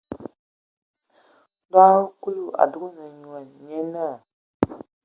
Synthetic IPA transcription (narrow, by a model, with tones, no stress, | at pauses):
da˦wku˦lu˦˨a̰˨du˨˦ɡu˦na˨ɲu˨a˨nɲe˦na˦˨